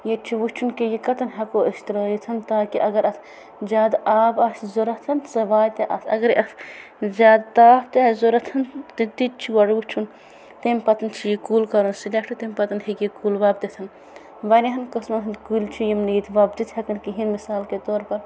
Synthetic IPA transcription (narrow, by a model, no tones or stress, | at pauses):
jet͡ʃʰiʋut͡ʃʰunkejikɐt̪ɐnɦɐkoːʔiʃt̪ɾɐːjit̪ʰɐnt̪aːkiʔɐɡɐɾɐt̪ʰ | d͡ʒʲaːd̪aːbɐszoɾɐt̪ʰɐnsɐʋaːjt̪eʔɐ̰t̪ʰɐ̰ɡɐɾiʔɐf | zʲaːd̪t̪aːpt̪ezoɾɐt̪ʰɐnt̪it̪it͡ʃʰiwɐɽʋut͡ʃʰun | t̪emʲpɐt̪ɐnt͡ʃʰijikuːlkɐɾunsilʲek̚ʈɐt̪emʲpɐt̪ɐnɦekjikulʋaːb̚d̪et̪ʰɐn | ʋɐneɦɐnkɐsmɐnɦint̪kulʲt͡ʃʰijimniːt̪ʰʋaːb̚d̪it̪ʰhɐkɐnkiɦinmisaːlket̪oːɾpɐɾ